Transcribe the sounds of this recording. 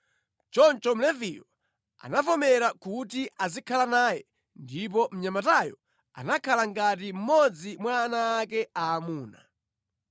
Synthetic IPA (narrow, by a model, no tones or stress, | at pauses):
t͡ʃɔnt͡ʃɔm̩lɛvijɔ | a̰nafɔmɛɾakutiʔazikʰalanaːjɛ | ndip̬ɔm̩ɲamatajɔ̰ | a̰nakʰalaŋɡat̬im̩mɔd͡zimwaːnaːkɛaːmuːna